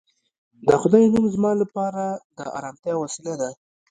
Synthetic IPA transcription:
d̪əxʊd̪ajmuŋzmɑlapɑɾad̪əa̰ɾɑmt̪jɑwasilad̪a

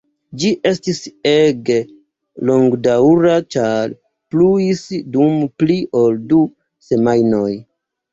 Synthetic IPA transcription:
d͡ʒiʔe̞stise̞ɡe̞ | lo̞ŋɡdawɾat͡ʃaɾ | pluisdumpliʔo̞ldu | se̞majno̞j

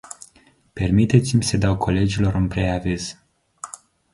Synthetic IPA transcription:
permit̪e̞t̪simʲsəd̪awkʰo̞le̞d͡ʒilo̞ɾɨnpɾe̞aviz̥

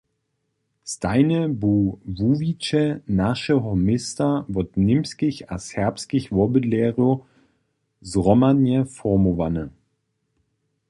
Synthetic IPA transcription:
staɪnəbuvuvit͡ʃənaʃəɦɔmɪstavɔtnɪmskɪça̰shɛɐpskɪçvɔbədlɛːʁo | zʁɔmanjəfɔmovanə

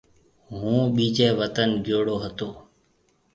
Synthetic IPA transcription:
ɦũːɓiːd͡ʒɛːʋət̪ənd͡ʒoːɽoːɦət̪oː

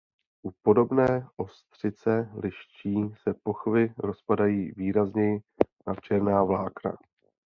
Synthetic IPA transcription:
ʔupo̞do̞bnɛːʔo̞st̪r̝̥ɪt͡sɛlɪʃt͡ʃiːsɛpo̞xvɪɾo̞spadajiːviːɾazɲɛjɪ | nat͡ʃɛɾnaːvlaːkna̰

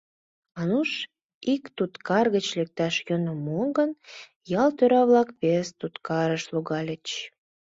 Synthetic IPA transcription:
ɑnuʃ | ikt̪ut̪kɑrɣət͡ɕlek̚t̪ɑʃjønəmoŋɡən | jɑlt̪øɾɑβlɑkβest̪ut̪kɑɾəʃluɣɑlʲət͡ɕ

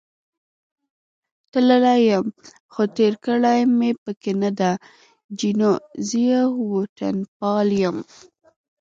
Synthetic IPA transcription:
t̪ləlajəm | xot̪eɾkəɽajmepəkenad̪a | d͡ʒinozijawoʈa̰np̚ɑljəm

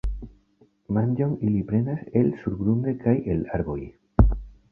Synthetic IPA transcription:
mand͡ʒoŋilipɾenaselsuɾɡɾund̪ekajelaɾbo̰j

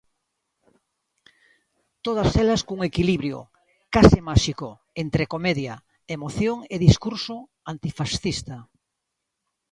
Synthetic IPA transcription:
t̪oð̞ɐselɐskuŋekiliβɾjo̰ | kasimaʃiko | ent̪ɾekomeðja | emoθjoŋeðiskuɾso | ant̪ifasθist̪a

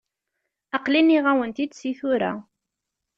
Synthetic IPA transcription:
ɑqliniʁawənt̪id̪siθʊɾa̰

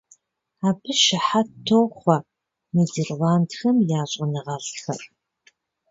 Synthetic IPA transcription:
aːbɨʃɪħatʰːoːχʷɐ | mezerwaːntxɐmjaːɕʼɐnɨʁɐɮxɐ̰r

